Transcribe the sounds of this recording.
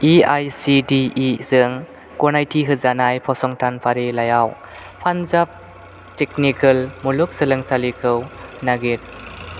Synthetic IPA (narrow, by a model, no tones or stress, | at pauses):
iajsidiːzɯŋ | kɔnajtʰiɦɯzanajpʰɔsɔŋtʰanpʰaɾilajaw | pʰanzap̚ | teknikɯlmuluk̚sɯlɯŋsalikʰɯwnaɡet̚